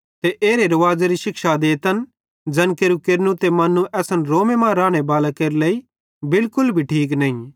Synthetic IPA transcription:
t̪eʔeːɾeɾɐʋaːd͡ʒaɾiʃɪkʃad̪eːt̪ən | d͡ʒɐnkeːɾukeɾnũt̪emɐnũʔɛːsənɾoːmemãɾãːɽ̃ebaːlakeɾleːi | bɪlkʊlbʱiʈʰiːk̬nɐĩ

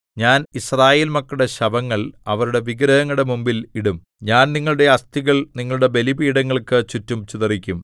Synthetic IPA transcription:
ɲaːnisraːjeːlmɐkːuɽe̞ɕɐbɐŋːɐɭɐʋɐɾuɽe̞ʋiɡɾɐɦɐŋːuɽe̞mumbiliɽum | ɲaːnniŋːɐɭuɽe̞ɐst̪iɣɐɭniŋːɐɭuɽe̞be̞libiːɽɐŋːɐɭkɨt͡ɕutːumt͡ɕuðɐrikʲːum

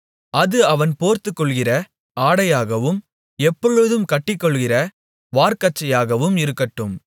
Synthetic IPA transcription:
ʔɐðɯɐʋɐnpoːɾt̪ɯkːɔɭɣɪrɐ | ʔaːɽɐjaːɣɐʋɯm | ɛpːɔɻɯðɯmkɐʈːɪkːɔɭɣɪrɐ | ʋaːɾkɐt͡ʃːɐjaːɣɐʋɯmɪɾɯkːɐʈːɯm

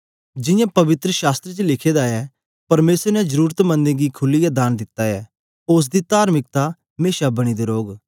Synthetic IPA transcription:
d͡ʒɪ̃jãːpɐʋɪt̪ɾəʃaːst̪ɾət͡ʃəlɪkʰeːd̪aɛ | pɐɾmeːsəɾnɛzəɾuːɾət̪mə̃nd̪ẽɡikʰʊlːijad̪aːnd̪ɪt̪ːaɛː | ʊs̬d̪it̪aːɾmɪk̚t̪a | meːʃabɐɽ̃id̪eːɾoːɡ

